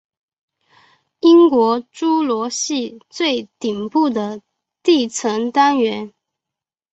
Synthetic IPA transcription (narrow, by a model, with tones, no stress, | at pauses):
i˥ŋkwɔ˧˥ʈ͡ʂu˥lwɔ˧˥ɕi˥˧t͡swe˥˩ɪt̪i˨˩ŋpu˥˩d̪ə˩ | t̪i˥˩t͡sʰɤ˧˥ŋt̪a˥nɥɛ˧˥n